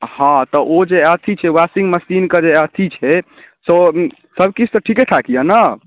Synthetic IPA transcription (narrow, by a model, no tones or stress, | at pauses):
hãt̪ɔʔod͡ʒeət̪ʰit͡ʃʰɛwasĩŋɡməsinkəd͡ʒeət̪ʰit͡ʃʰɛ | so | səbʱkit͡ʃʰt̪ɔʈʰikeʈʰakijənə